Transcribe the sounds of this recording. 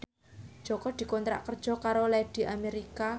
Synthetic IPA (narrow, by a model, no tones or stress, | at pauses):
d̥ʒ̥ɔkɔd̪̥i̤kɔnt̪ɾa̰ʔkərd̥ʒ̥ɔ̤kaɾolɛd̪̥i̤ʔameɾika